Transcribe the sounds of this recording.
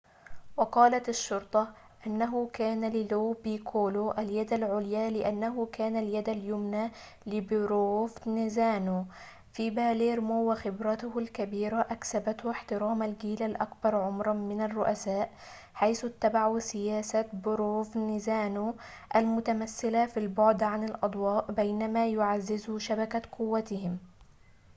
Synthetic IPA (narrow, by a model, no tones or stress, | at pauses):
wɑqɑːlat̪aʃːʊɾt̪ˤɑ | ʔɪnːaɦʊkaːnalɪloːbiːkʰoːloʔaljad̪alʕʊljaːlɪʔanːaɦʊkaːnaljad̪aljʊmna | lɪbʊɾoːfnɪzaːnu | fibaːleːɾmʊwːaxɪbɾɑt̪ʊhʊlkabiːɾaʔaksabat̪hʊɪħt̪ɪɾɑːmalɡiːlalʔakbɑɾˤʕʊmɾˤɑmɪnarːʊʔasaːʔ | ħajsʊt̪ːabaʕusɪjaːsabʊɾoːfnɪzaːno | ʔalmʊt̪amasːɪlafilbʊʕd̪ʕanɪlʔɑd̪ˤwɑːʔbajnamaːjʊʕazːɪzuʃabakaqʊwːat̪ɪhɪm